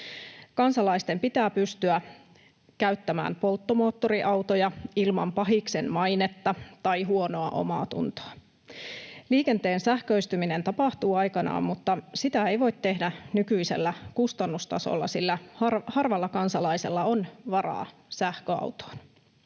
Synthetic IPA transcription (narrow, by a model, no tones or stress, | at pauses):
kɑnsɑlɑist̪e̞mpit̪æːpyst̪yæ | kæyt̪ːæmæ̰ːmpo̞lt̪ːomo̞ːt̪ːo̞ɾiʔɑwt̪ojɑilmɑ̰mpɑɦikse̞nmɑjnet̪ːɑt̪ɑjɦuo̞no̞ɑʔo̞̰mɑ̰ːt̪ṵnt̪o̥ɑ | liːkent̪e̞ːnsæhkøist̪ymine̞nt̪ɑpɑht̪uːɑjkɑnɑ̰ːmmut̪ːɑsit̪æe̞jʋo̞jt̪tːe̞hdænykyise̞̰lːækust̪ɑnːust̪ɑ̰so̰lːɑ̰silːæhɑrhɑrʋɑlːɑkɑnsɑlɑjse̞̰lːɑonʋɑrɑ̰ː | sæhkøɑ̰wt̪o̥ːn